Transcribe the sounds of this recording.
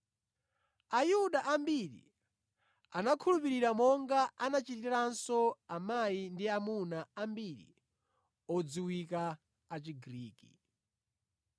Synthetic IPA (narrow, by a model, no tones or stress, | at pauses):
ajuɗaʔambiɾḭ | anakʰulup̬iɾiɾamɔŋɡaʔanat͡ʃitiɾansɔamajindiamunaambiɾḭ | ɔd͡ziwikaː | t͡ʃiɡɾiːkḭ